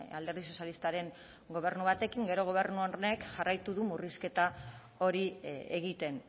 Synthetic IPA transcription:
ald̪eɾðiso̞sjalist̪aɾe̞ŋ | ɡo̞β̞e̞ɾnuβ̞at̪e̞kiŋɡe̞ɾo̞ɣ̞o̞β̞e̞ɾnuone̞kʝarajt̪uðumuriske̞t̪a | o̞ɾieɣit̪e̞n

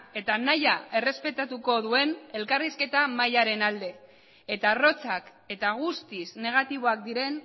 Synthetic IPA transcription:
e̞t̪anajae̞re̞spe̞t̪at̪uko̞ðue̞ne̞lkariske̞t̪amajaɾe̞nald̪e̞ː | t̪aro̞t͡sak | e̞t̪aɣ̞ust̪isne̞ɣ̞at̪iβ̞o̞ak̚d̪iɾe̞n

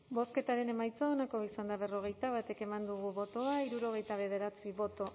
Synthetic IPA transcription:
bo̞ske̞t̪aɾe̞ne̞majt͡saonakoisand̪aβe̞ro̞ɣ̞e̞jt̪aβ̞at̪e̞ke̞mand̪uɣuβo̞t̪o̞aiɾuɾo̞ɣ̞e̞jt̪aβ̞e̞ð̞e̞ɾat͡siβo̞t̪o̞

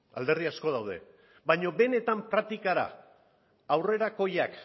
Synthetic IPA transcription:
a̰ld̪e̞rðiasko̞ð̞awð̞e̞̰ | bajɲo̞be̞ne̞t̪ampɾak̚t̪ikaɾa̰ː | wre̞ɾako̞jak

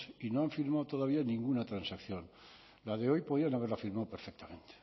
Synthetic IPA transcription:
inoaɱfiɾmawt̪o̞ð̞aβianĩŋɡunat̪ɾansakθjo̞n | laðeo̞jpo̞ð̞ianaβeɾlafiɾmawpeɾfek̚t̪amẽ̞nt̪e̥

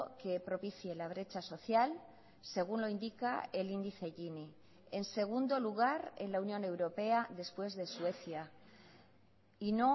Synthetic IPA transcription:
ke̞pɾo̞piθjelaβ̞ɾe̞t͡ʃaso̞θjal | se̞ɣ̞unlo̞ind̪ika̰e̞lind̪iθe̞ʝini | ense̞ɣ̞und̪o̞luɣ̞aɾenlaunjõ̞ne̞wɾo̞pe̞aðe̞spwe̞zðe̞swe̞θja | ino̞

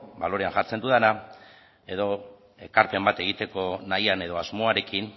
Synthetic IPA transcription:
balo̞ɾe̞anxaɾt͡se̞nd̪uðana | e̞ðo̞ | e̞kaɾpe̞mbat̪e̞ɣ̞it̪e̞ko̞najane̞ð̞o̞azmo̞aɾe̞kin

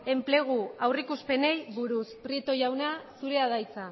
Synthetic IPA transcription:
e̞mple̞ɣ̞uawrikuspe̞ne̞jβuɾuspɾie̞t̪o̞jawnasuɾe̞að̞ajt͡sa

